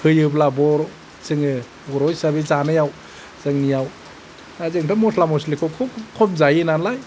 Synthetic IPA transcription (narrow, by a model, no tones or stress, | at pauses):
hʰɯjɯblabɔɾ | sɯŋɯ | ɔɾɔjsabizanɯjaw | zɯŋnijaw | azɯŋpʰɯmɔsʰlamɔslikʰɔkʰɔkʰɔmzajɯnanlaj